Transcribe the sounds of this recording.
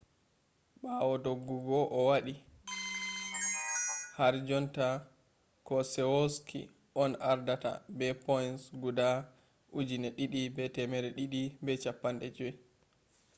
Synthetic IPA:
ɓawɔdoɡːuɡɔʔɔwaɗi | haɾd͡ʒɔnta | kɔsɛwɔskʰḭ | ʔɔnaɾdata̰bɛpɔjnsɡuda | ʔud͡ʒinɛɗiɗibɛtɛmɛɾɛɗiɗibɛt͡ʃapːanɗɛd͡ʒɔj

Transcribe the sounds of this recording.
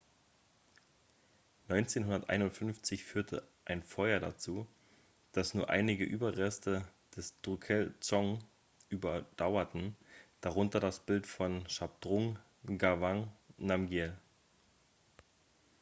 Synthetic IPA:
nɔʏnt͡seːnɦʊndɐtʔa̰ɪnʊntfʏnft͡sɪçfyːɐtʰə̰ʔaɪnfɔʏɐda̰t͡suː | d̥asnuːɐʔa̰ɪnɪɡəʔyːbɐʁɛstə | d̥ɛsd̥ʁukʰɛlt͡sɔŋ | ʔyːbɐd̥aʊɐtn̩d̥aʁʊntɐdasb̥ɪltfɔnʃap̚d̥ʁʊŋ | ɡavaŋnamɡjɛl

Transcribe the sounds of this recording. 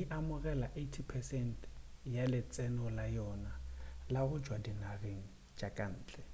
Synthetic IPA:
iʔamʊɣɛlaʔetʰipʰɛsɛntʰjalɪt͡sʼɛnɔlajɔnalaɣʊd͡ʒwadinareŋ̩ | d͡ʒakʼan̩ːt͡ɬʼɛ

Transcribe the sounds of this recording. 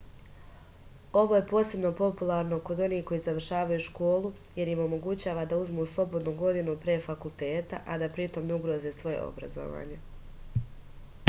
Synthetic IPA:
o̞ʋo̞jepo̞ːse̞bno̞po̞pulˠaːɾno̞ko̞d̪o̞niːko̞jizaʋr̩ʃaːʋajuʃko̞ːlˠu | je̞ɾimo̞mo̞ɡut͡ɕaːʋad̪auzmuslˠo̞bo̞d̪nuɡo̞d̪inupɾeːfakulˠt̪e̞ːt̪aʔad̪apɾit̪o̞mneuɡɾozeːsʋo̞jḛʔo̞̰bɾa̰zo̰ʋa̰ːɲe̞

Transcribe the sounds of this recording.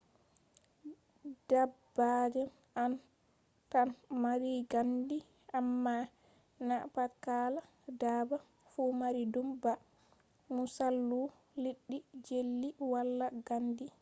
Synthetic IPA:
d̥abːad͡ʒɛn | an | tanmaɾiɡandi | ʔamːa | napatkala | daːba | fumaɾidumba | musalːu | liɗːid͡ʒelːiwalːaɡandi

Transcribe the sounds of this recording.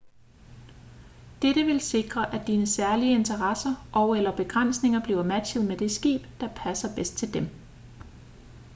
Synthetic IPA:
d̥eɾəʋe̝lse̝ɡ̥ʁɐʔæd̥iːnəsæɐliəe̝nt͡sʰɐʁɑsɐʔɒʊelɐb̥e̝ɡ̥ʁan̰sne̝ŋɐb̥liːʊɐmæ̥ɕəðˠmed̥e̝sɡ̥ḭːb̥d̥ɑ̈pʰæsɐb̥esd̥̚t͡sʰe̝ld̥em

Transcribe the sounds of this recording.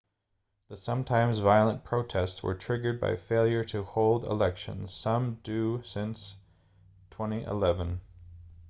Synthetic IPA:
ðəsʌ̃mtʰãɪ̃mzvaɪlˠə̃npʰɹ̥oʊtʰɛstswə̰˞tʰɹ̥ɪɡə˞d̚ba̰ɪfeɪlˠjə˞ɾɨhoʊlˠdə̰lɛkʃɨ̰̃nz̥sʌ̃mdʉsɪ̃ns | tʰw̥ɛ̃ñiʔɪ̰lɛvə̃n

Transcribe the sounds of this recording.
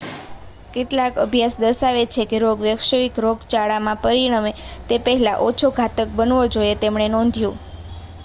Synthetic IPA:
keʈlakəbʱjasd̪əɾʃaʋet͡ʃʰekeɾoɡʋjəʋʃəʋikɾoɡt͡ʃaɭamãpəɾiɽ̃əmet̪epəɦla̰ʔot͡ʃʰoɡʱat̪ək̚bənʋod͡ʒojet̪emɳenɔ̃nd̪ʱjũ

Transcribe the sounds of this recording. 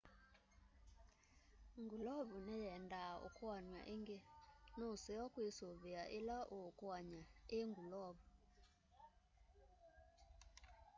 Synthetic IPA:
ŋɡulɔβunɛjɛndao̰kwanwa̰ʔeŋɡenosɛɔkwesoβeaʔelaʔokwaɲaeŋɡulɔβu

